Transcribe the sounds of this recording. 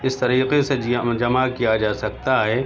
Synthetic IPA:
ɪst̪ɐɾiːqesed͡ʒɐmakijad͡ʒaːsɐk̚t̪aɦɛː

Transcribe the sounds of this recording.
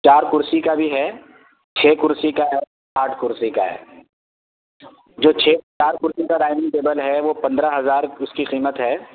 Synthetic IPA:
t͡ʃaːɾkʊɾsikabʱiɦɛː | t͡ʃʰeːkʊɾsikaɦɛː | aːʈʰkʊɾsikaɦɛ̰ː | d͡ʒoːt͡ʃʰeːt͡ʃaːɾkʊɾsĩkaɾaːɪmĩŋʈeːbəlɦɛʋopɐ̃nd̪ɾaɦɐzaːɾʊskiqiːmət̪ɦɛː

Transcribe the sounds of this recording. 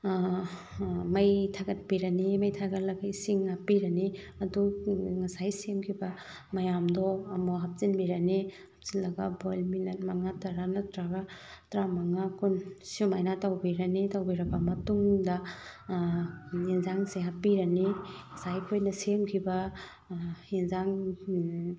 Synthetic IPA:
mɐjtʰaɡɐt̚biɾɐnimɐjtʰaɡɐtlɐɡaisiŋhapiɾɐni | ɐduŋɐsajsemkʰibɐ | mɐjamdɔːmɔɦap̚t͡ʃinmiɾani | hap̚zinlɐɡabojlminɐtmaŋataɾanɐtɾaɡatɾamaŋakunsumajnatawbiɾɐnitawbiɾɐbɐmɐtuŋdɐ | inzaŋseɦapiɾɐniŋɐsajpʰojnɐsemkʰibɐ | inzaŋ

